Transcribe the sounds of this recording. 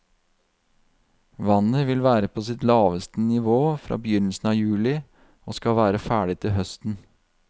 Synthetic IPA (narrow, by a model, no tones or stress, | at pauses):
ʋɑnəʋɪlʋæːɾəpʰoːsɪt̪lɑːʋəst̪ənɪʋoːfɾʔɑ̰ːbəjʏnəl̩sn̩ɑːjʉːlɪ | oːskɑʋæːɾəfæːɖɪt̪ʰɪlɦœst̪n̩